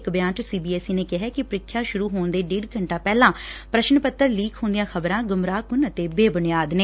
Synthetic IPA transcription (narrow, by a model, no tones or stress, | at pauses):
kbjãːt͡ʃsiːbiːɛːsiːneːkɪɦɛːkɪpɾɪkʰːjaːʃʊɾuːɦoːɳd̪eːɖiːɖkəɳʈãːpɛːlãːpɾəʃnpət̪ːəɾliːkʰɦõːnd̪ɪjãːkʰəbɾãːɡʊmɾaːkʊnət̪eːbeːbʊnɪjaːd̪neː